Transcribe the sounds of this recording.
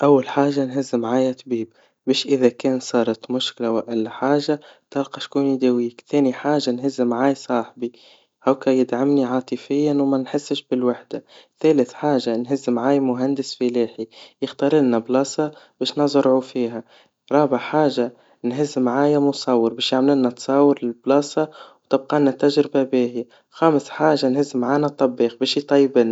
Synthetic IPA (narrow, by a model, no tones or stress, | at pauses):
ʔawːalħaːʒanɦɪzːmʕaːjæt̪ˤbiːb̚ | bɛːʃʔɪðækɛːnsˤɑːɾˤɑt̪mʊʃklawɪʔælːħaːʒat̪ɑlqɑʃkuːnid̪æwiːkθæːniħaːʒanɦɪzːmʕaːjsˤɑːħbi | hawkæjɪd̪ʕamniʕɑːt̪ˤəfɪjːanwmænħɪsːɪʃbɪlwaħd̪aθæːləθħaːʒanɦɪzːmʕaːjmʊɦænd̪ɪsfiliːħijɪxt̪ɑːɾˤɪlnablɑːsˤɑb̥ɛːʃnɑzˤɾʕufiːɦa | ɾˤɑːbɪʕħaːʒa | nɦɪzːmʕaːjamʊsˤɑwːəɾbɛːʃjaʕmlɪnːæt̪sˤɑwːəɾlɪlblɑːsˤɑwt̪ɪb̚qɑnːæt̪æʒɾɪbabiːɦi | xaːmsħaːʒanhɪzːmʕaːnat̪ˤːɑbːiːqbɛːʃjt̪ˤɑjːbɪn